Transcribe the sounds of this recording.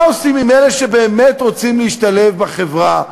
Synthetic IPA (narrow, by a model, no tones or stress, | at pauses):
osimːimeneʃebe̞ːmetʁot͡simleiʃt̪alefbaχevʁa